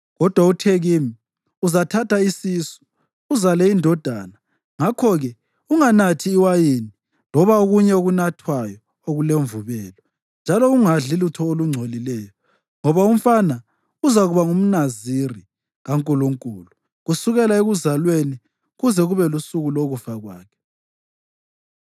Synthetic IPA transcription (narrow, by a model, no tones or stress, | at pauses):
ɣɔd̥ʱwautʰeɣimi | uzatʰatʰaisisu̥ | uzalɛindʱɔd̥ʱa̰ːna | ŋakʰɔɣɛ | uŋanatʰiːwajini | lɔβaoɣuɲɛoɣunatʰwajɔ | oɣuleɱvuβɛːlɔ | nd͡ʒʱalɔuŋaɮilutʰɔoluŋ͡ǀʱolilɛjɔ | ŋɔβaum̩fana | uzaɣuβaŋum̩naziri | ɣaŋkʼuluŋkʼṵlu | ɣusuɣɛlaeɣuzalweni | ɣuzɛɣuβɛlusuɣuloɣufaɣwa̰ːkʰɛ̥